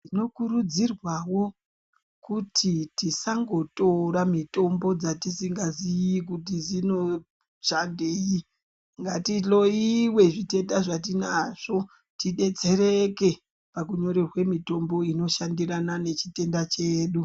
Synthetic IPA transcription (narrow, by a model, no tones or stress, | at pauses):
ino̞kuɾud͡zirwawo̞ | kutʰitisaŋɡo̞to̞ɾamito̞mbo̞d͡zatisiŋɡazijikut̬izino̞ | ʃandei | ŋɡatilo̞iwe̞ʐitetaʐat̬inaʐ̥o̞ | tiɗe̞t͡se̞ɾeke̞ | pakuɲo̞ɾerwe̞mito̞mbo̞ino̞ʃandiranane̞t͡ʃite̞ndat͡ʃeːɗu